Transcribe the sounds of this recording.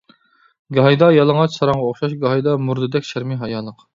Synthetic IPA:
ɡɑɦɑjd̪ɑjɑlˠəŋʁɑt͡ʃsɑɾɑŋʁɑoχʃɑʃɡɑɦɑjd̪ɑmuɾd̪ɨd̪ɛkʲʃæɾmɪɦɑjɑlˠːəq

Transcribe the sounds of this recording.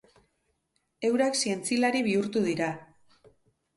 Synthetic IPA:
e̞wɾaksie̞nt͡silaɾiβ̞iuɾt̪uðiɾa

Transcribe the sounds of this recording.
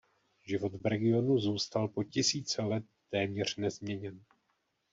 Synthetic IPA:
ʒɪvo̞t̪vɾɛɡɪo̞nuzuːst̪alpo̞cɪsiːt͡sɛlɛt̪ːɛːmɲɛr̝̥nɛzmɲɛɲɛn

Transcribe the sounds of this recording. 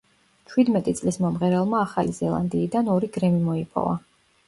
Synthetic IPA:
t͡ʃʰwid̪mɛt̪ʼit̪sʼlismɔmʁɛɾɛlˠmaːχalizɛlˠa̰nd̪iːd̪anɔɾiɡɾɛmimɔipʰɔ̰va̰

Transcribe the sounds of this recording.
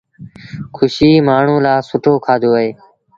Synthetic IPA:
kʰʊʃiːmaːɳ̤ũːlaːsʊʈʰoːkʰaːd̪oːɦeː

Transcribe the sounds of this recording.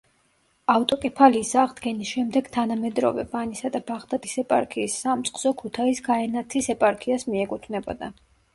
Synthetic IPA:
aft̪ʼɔkʼɛpʰaliːsaʁd̪ɡɛnisʃɛmd̪ɛɡ̥t̪ʰanamɛd̪ɾɔ̰vɛ̰vanisad̪abaʁd̪ad̪ʼisɛpʼa̰ɾkʰiːsːamt̪sʼqʼz̥ɔkʰut̪ʰaisɡaɛnat̪ʰisɛpʼaɾkʰiasmiɛkʼut̪ʰvnɛbɔ̰d̪a

